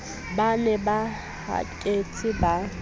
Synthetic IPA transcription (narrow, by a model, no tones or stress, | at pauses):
banɛba | ha̰kʼet͡sʰʼɪba